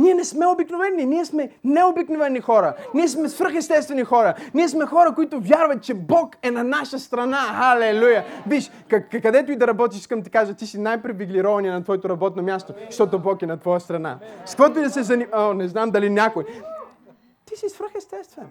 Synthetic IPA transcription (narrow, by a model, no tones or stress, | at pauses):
niɛnɛsmɛobiknovɛnːiniɛsmɛnɛobiknovɛnːixɔɾɐniɛsmɛsfɾəxɛst̪ɛst̪vɛnixɔɾɐniɛsmɛxɔɾɐkoit̪ʊvʲjaɾvɐt̪̚t͡ʃɛbɔkɛnɐnaʃəst̪ɾɐnaxalɛlujɐbiʃ | kɐkɐd̪ɛt̪ʊid̪ɐɾɐbɔt̪̬iʃiskəmt̪ikaʒət̪isinajpɾɛviɡlʲiɾɔvɐniɛnɐt̪vɔɛt̪oɾɐbɔt̪nomʲjast̪oʃt̪ɔt̪obɔkɛnɐt̪vɔjəst̪ɾɐna̰skovɔt̪oʊid̪ɐsɛzɐnimonɛznamd̪ɐlinʲakoj | t̪isisfɾəxɛst̪ɛst̪vɛn